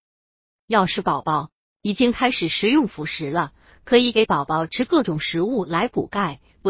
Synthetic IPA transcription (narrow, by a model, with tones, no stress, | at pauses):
jɑ˥˧ʊʂɻ̩˥˩pɑ˨˩ʊpɑ˥˩ʊ | i˨˩t͡ɕi˥ŋkʰa˥ɪʂɻ̩˨˩ʂɻ̩˧˥jʊ˥˩ŋfu˧˥ʂɻ̩˧˥lə˧ | kʰɤ˧˥i˧˥ke˧˥ɪpɑ˨˩ʊpɑ˥˩ʊʈ͡ʂʰɻ̩˥kɤ˥˩ʈ͡ʂʊ˨˩ŋʂɻ̩˧˥u˥˩la˧˥ɪpṵ˨˩ka˥˩ɪ | pu˧˥